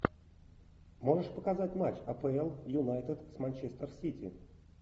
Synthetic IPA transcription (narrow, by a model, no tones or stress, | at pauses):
mo̞ʐɨʂpəkɐzatʲmat͡ɕɐpɛɛlˠjʊnajt̪ət̪smɐnʲt͡ɕest̪ərsʲitʲɪ̰